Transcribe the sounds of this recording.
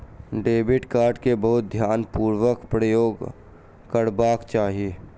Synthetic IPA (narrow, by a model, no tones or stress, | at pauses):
ɖeːbɪʈkaːɾɖkebəɦʊt̪̚d̪ʱjaːnpuːɾʋəkpɾəjoːɡ | kəɾbaːkt͡ʃaːɦieː